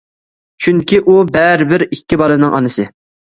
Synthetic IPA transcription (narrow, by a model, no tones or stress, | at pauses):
t͡ʃʰyŋkʲiʔubɛɾɪbɪɾikʲːibɑlˠɨnɨŋʔɑ̰nɨsɨ